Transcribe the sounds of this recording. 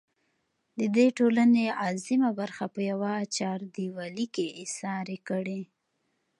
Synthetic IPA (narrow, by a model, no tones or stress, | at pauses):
d̪əd̪eʈolaneɑzimabaɾxapəjawat͡ʃɑɾd̪iwalikeɪsɑɾekəɽe